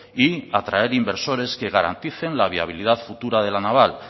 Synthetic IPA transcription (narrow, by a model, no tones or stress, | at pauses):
iat̪ɾae̞ɾimbe̞ɾso̞ɾe̞ske̞ɣ̞aɾa̰nt̪iθe̞nlaβ̞ia̰β̞ilið̞aðfut̪uɾaðe̞lanaβ̞al